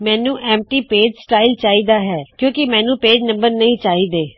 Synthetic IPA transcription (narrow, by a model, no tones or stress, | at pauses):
mɛ̃ːnũːʔɛːm̚ʈiːpeːɖsʈaːilt͡ʃaːiːd̪aːɦɛːkjõːkɪmɛ̃ːnũːpeːɖnə̃mbəɾnəĩːt͡ʃaːiːd̪eː